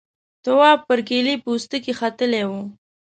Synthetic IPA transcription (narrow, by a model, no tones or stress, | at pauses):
t̪ʊwɑb̚pəɾɡelipəust̪əkexat̪əlewu